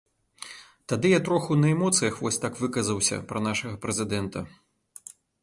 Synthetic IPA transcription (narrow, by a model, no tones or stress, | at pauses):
t̪ad̪ɨjat̪ɾɔxunɐɛmɔt̪sɨjɐxvɔsʲt̪akvɨkɐzɐwsʲɐ̰pɾɐnaʂɐɣɐpɾɛzʲɨd̪ɛnt̪ɐ̰